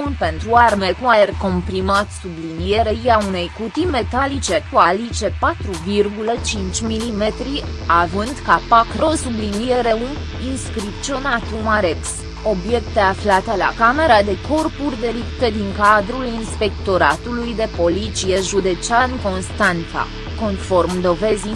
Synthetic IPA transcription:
unpe̞nt̪ɾuarme̞kumajerko̞mpɾimat̪sublinije̞ɾeɾiaune̞jkut̪ime̞t̪alit͡ʃe̞kualit͡ʃe̞pat̪ɾuvirɡulət͡ʃint͡ʃʲmilime̞t̪ɾi | avɨnd̪kapakɾo̞sublinie̞ɾe̞un | inskɾipt͡ʃ̪t͡ʃionat̪umaɾeks | o̞bje̞kt̪e̞aflat̪e̞la̰kame̞ɾad̪e̞ko̞rpurʲd̪e̞lipt̪ed̪iŋkad̪ɾulinspe̞kt̪o̞ɾat̪ulujd̪e̞po̞lit̪sije̞ʒud̪e̞t͡ʃianko̞nst̪ant̪sa̰ | ko̞nfo̞rmd̪o̞ve̞zi

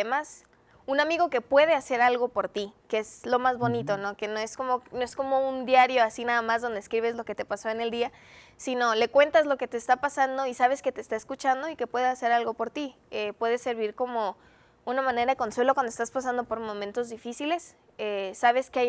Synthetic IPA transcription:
emas | unamiɣo̞ke̞pwe̞ðe̞ase̞ɾalɣo̞po̞ɾt̪ikeezlo̞mazβo̞nit̪o̞no̞ke̞noe̞sko̞mono̞e̞sko̞mo̞und̪jaɾjoasinaðamazðo̞nd̪eːskɾiβ̞e̞zlo̞ke̞t̪e̞paso̞e̞ne̞ld̪ia | sino̞le̞kwe̞nt̪azlo̞ke̞t̪e̞ːst̪apasand̪o̞isaβ̞e̞sket̪e̞ːst̪aeskut͡ʃand̪o̞ike̞pwe̞ðease̞ɾalɣo̞po̞ɾt̪i | epwe̞ðe̞se̞ɾβiɾko̞mo̞ | unamãne̞ɾaðeko̞nswe̞lokwand̪oest̪aspas̬and̪o̞po̞ɾmõmẽnt̪o̞zðifisile̞s | esaβ̞e̞skeaj

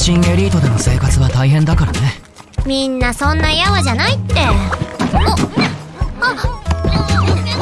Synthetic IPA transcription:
ɕĩŋeɾʲiːt̪o̞d̪e̞no̞se̞ːkat͡sɨβat̪aiɦẽ̞nd̪akaɾane̞ | mʲĩnːasõ̞nːajaβaʑanait̪ːe̞

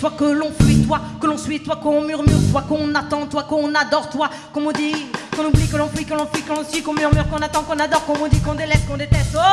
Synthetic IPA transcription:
t̪wakəlɔ̃fɥit̪wakəlɔ̃sɥit̪wakəɔ̃myʁmyʁt̪wakɔ̃ɔ̃nat̪ɑ̃t̪wakɔɔ̃nad̪ɔʁt̪wa | kɔ̃mɔ̃d̪ikɔ̃nublikəlɔ̃fɥikəlɔ̃fɥikɔ̃lɔ̃sɥikɔ̃myʁmyʁkɔ̃nat̪ɑ̃kɔ̃nad̪ɔʁkɔ̃mɔ̃d̪ikɔ̃d̪elɛst̪̚kɔ̃d̪et̪ɛst̪o

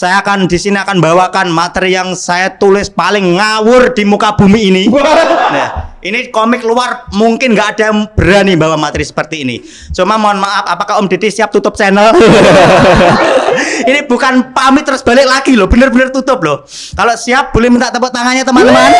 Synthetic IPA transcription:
sajaːkand̥isiniakanmbawakanmat̪ɾijaŋsajat̪ulɪspalɪŋːawʊrd̥imukab̥umiːninahʔinikɔmɪk̚luarmuŋkɪnŋɡaʔad̥amb̥əɾanimbawamat̪ɾisə̥pərt̪iːnḭ | t͡ʃumamoanmaʔapapakaʊmd̥e̤d̪esiap̚t̪ut̪ʊp̚t͡ʃɛnəl | inib̥ukanpamit̪əɾʊsb̥a̤lɪk̚laɡ̥ilɔb̥ə̤nərbənərt̪ut̪ʊp̚lɔh | kalosiap̚b̥o̤lɛhmint̪aʔt̪əpʊʔt̪aŋaɲat̪əmaləman

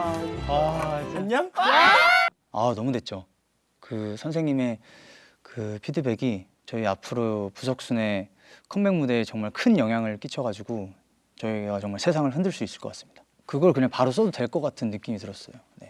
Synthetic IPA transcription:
akiɲaŋ | anʌmudwe̞t̚t͡ɕ͈o | kɯsʰʌnsʰe̞ŋɲime̞ | kɯpʰidɯbe̞ɡi | t͡ɕʌiapʰɯɾopusʰʌk̚s͈une̞ | kʰʌmbe̞ŋmude̞ːt͡ɕʌŋmaɭkʰɯnjʌŋɦjaŋɯɭk͈it͡ɕʰʌɡad͡ʑuɡo | t͡ɕʌiɡat͡ɕʌŋmaɭsʰesʰaŋɯɭɦɯndɯɭs͈uis͈ɯɭk͈ʌk͈as͈ɯ̥mɲid̥ḁ | kɯɡʌɭkɯɲaŋpaɾos͈ʌdodwe̞ɭk͈ʌk͈atʰɯnːɯk͈imitɯɾʌs͈ʌjone̞

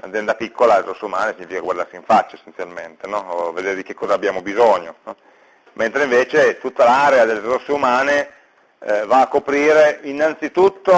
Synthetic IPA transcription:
a̰zɛnd̪apikːolarosːeumaːnesiɲːifikaɡwaɾd̪arsĩɱfat͡ʃːaesːent̪sjalment̪enɔved̪eːɾed̪ik̟ekːɔːzaːbːjaːmobizoɲːon | ment̪ɾeĩɱveːt͡ʃet̪ut̪ːalaɾead̪elːeɾosːeumaːne | vaːkːopɾiːɾeinːant̪sit̪ut̪ːo

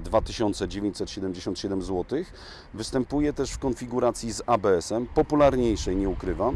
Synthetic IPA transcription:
d̪vat̪ɘɕɔnt̪sɛd͡ʑevʲẽɲt͡ɕʲsɛt̪ɕɛd̪ɛmd͡ʑeɕɔ̃nt̪ɕɛd̪ɛmzwɔt̪ɘx | vɘst̪ɛmpujɛt̪ɛʂfkɔnfʲiɡuɾat̪sʲjizabɛɛsɛmpɔpulaɾɲejʂɛjɲɛukɾɘva

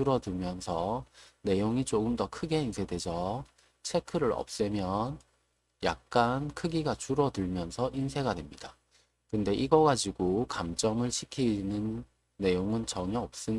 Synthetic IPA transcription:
uɾʌdɯmjʌnsʰʌne̞joŋit͡ɕoɡɯmdʌkʰɯɡe̞insʰedwe̞d͡ʑʌ | t͡ɕʰe̞kʰɯɾɯɾʌ̰p̚s͈ɯmjʌn | ja̰k̚k͈ankʰɯɡiɡat͡ɕuɾʌdɯɭmjʌnsʰʌʔinsʰe̞ɡadwe̞mɲida | kɯnde̞ʔiɡʌɡad͡ʑiɡokamd͡ʑʌŋɯɭɕʰikʰinɯnː | e̞joŋɯnt͡ɕʌɲʌʌp̚s͈ɯɲ

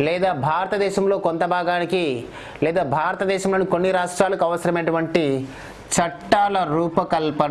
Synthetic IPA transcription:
lɛːd̪aːbʱaːɾɐt̪ɐd̪ɛːʃɐmlo̞ːkont̪ɐbʱaːɡaːniki | lɛːd̪aːbʱaːɾɐt̪ɐd̪ɛːʃɐmlo̞ːnikonːiɾaːʂʈɾaːlɐkuɐʋɐsɐɾɐmeːʈuʋɐɳʈi | t͡ʃɐʈːaːlɐɾuːpɐkɐlpɐ

